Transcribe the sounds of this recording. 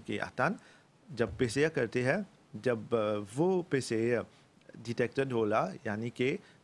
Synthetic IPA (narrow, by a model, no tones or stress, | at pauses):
keʔa̰ːt̪aːn | d͡ʒɐb̚peːsekɐɾt̪eɦɛ̃ | d͡ʒɐbʋopeːse | ɖiʈeːk̚ʈəɖɦoːlajaːnike